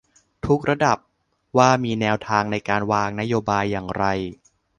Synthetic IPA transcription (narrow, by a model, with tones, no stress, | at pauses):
t̪ʰu˦˥k̚ɾa˧da˨˩p̚ | waː˥˩miː˧nɛː˧wt̪ʰaː˧ŋna˧jkaː˧nwaː˧ŋna˦˥joː˧baː˧jːaː˨˩ŋɾa˧j